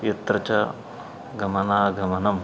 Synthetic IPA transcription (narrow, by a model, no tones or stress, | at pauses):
jɐt̪ɾɐt͡ʃɐ | ɡɐmɐnaːɡɐmɐnɐm